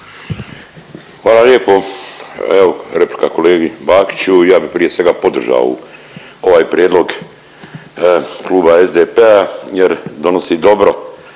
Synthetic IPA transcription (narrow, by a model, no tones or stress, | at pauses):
xʋaːlaljeːpo | eʋoɾepli̥kako̞leːɡibaːki̥t͡ɕujaːbixpɾije̞sʋe̞ɡapo̞d̪r̩ʒa̰o̰ | o̞ʋaːjpɾjeːd̪lˠo̞ɡ | kluːbaezd̪epeajeɾd̪o̞nosid̪o̞bɾo